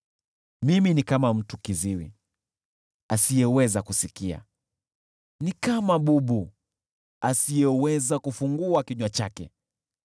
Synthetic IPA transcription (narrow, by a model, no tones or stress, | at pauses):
miminikamam̩tukiziwḭ | asijɛwɛzakusikia̰ | nikamaɓuɓu | asijɛwɛzakufuŋɡuakiɲwat͡ʃakɛ̰